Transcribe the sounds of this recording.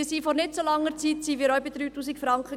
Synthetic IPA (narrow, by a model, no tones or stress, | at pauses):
siːfɔɾnɪtsolɑŋːəɾt͡siːtsiːʋiːɾɔʊbid̥̪ɾyːtuːsikfɾɑŋkχə